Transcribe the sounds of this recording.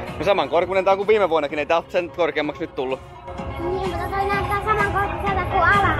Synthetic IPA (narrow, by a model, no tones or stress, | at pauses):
nɑsɑmɑŋkorkunent̪ɑŋkuʋiːmeʋuonːɑkineit̪æˑolt̪senkorkeːmːɑksnyt̪t̪ulːu | nʲiːmmut̪ːɑt̪oinæyt̪ːˑæːsɑmɑŋkorkːuselt̪ækkuɑlɑ